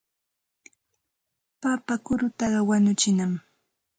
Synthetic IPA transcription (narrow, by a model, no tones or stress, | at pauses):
papakʊɾʊt̪ɑɢɑwanʊt͡ʃɪnam